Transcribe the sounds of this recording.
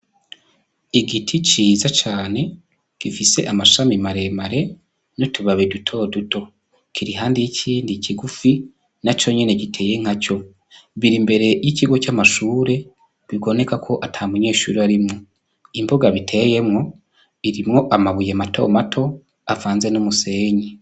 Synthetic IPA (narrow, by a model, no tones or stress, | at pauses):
iɡitʰit͡ʃiːzat͡ʃaːne̞ | ɡ̥ifise̞̰ʔamaʃamimaɾe̞maɾe̞ | notuβaβedutʰo̞duto̞ | kʰiɾiɦaːndijicʰiːndiciɡufi | nat͡ʃo̞ɲe̞ne̞kitʰe̞ːje̞ŋ̥haco̞ | βiɾimbe̞ɾe̞jiciɡo̞camaʃuːɾe̞ | βiɡo̞ne̞kakʰo̞ʔatʰamuɲe̞ːʃuːɾiaɾimŋo | imboɡaβitʰe̞je̞mŋo̞ | iɾimŋo̞ʔamaβujematʰo̞̰matʰo̞ | avaːnze̞numuse̞ːɲe